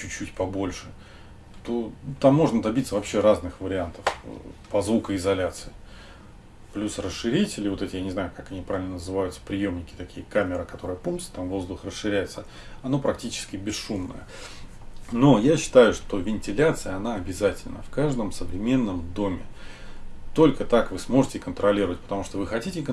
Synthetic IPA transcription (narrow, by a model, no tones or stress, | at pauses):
t͡ɕʉt͡ɕːutʲpɐbo̞lʲʂɨ | t̪o̞t̪amːo̞ʐnəd̪ɐbʲit̪səvɐpɕːe̞ɾaznɨxvəɾʲɪant̪əfpɐzvukəɪzɐlʲat̪sɨɪ | plʲusrəsʂɨɾʲitʲɪlʲɪvo̞t̪ɛtʲɪjanʲɪznajʊkakɐnʲipɾavʲɪlʲnənəzɨvajʊt̪sə̥pɾʲɪjo̞mnʲɪkʲɪ̥t̪ɐkʲijəkamʲɪɾəkɐt̪o̞ɾəjəpumsə̥t̪amvo̞zd̪ʊxrəsʂɨɾʲæjɪt̪sə | ɐno̞pɾɐk̚tʲit͡ɕɪ̥skʲɪbʲɪsʂumnə̰jə̰ | no̞jaɕːɪ̥t̪ajʊʂt̪o̞vʲɪnʲtʲɪlʲat̪sɨjəɐnaɐbʲɪzatʲɪlʲnə̰fkaʐd̪əmsəvɾʲɪmʲe̞nːəmd̪o̞mʲɪ̰ | t̪o̞lʲkət̪akvɨsmo̞ʐɨtʲɪkənt̪ɾɐlʲiɾəvətʲpə̥t̪ɐmuʂt̪ovɨxɐtʲitʲɪk